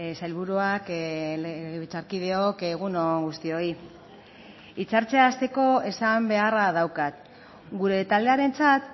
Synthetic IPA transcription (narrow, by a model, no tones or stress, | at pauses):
sajlβuɾuak | ɣβit͡saɾkið̞e̞okeɣ̞unoŋɣust̪io̞i | it͡saɾt͡se̞ast̪e̞ko̞e̞sambe̞arað̞awkat̪ | ɡuɾe̞t̪ald̪eaɾe̞nt͡sat̪